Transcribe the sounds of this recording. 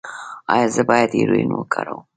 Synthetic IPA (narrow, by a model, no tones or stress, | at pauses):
ɑjɑzəbɑjad̪jḛɾujnwəkʰaɾəw